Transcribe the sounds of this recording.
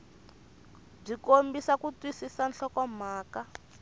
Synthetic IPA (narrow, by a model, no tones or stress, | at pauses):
b͡ʐikombisakutwisisanɬɔkɔm̤aːka